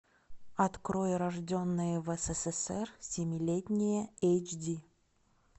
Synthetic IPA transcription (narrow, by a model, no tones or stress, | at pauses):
ɐt̪kɾojəɾɐʐdʲonːɨjəvɛsɛsɛsɛrsʲɪmʲɪlʲetʲnʲɪjəejt͡ʃdʲi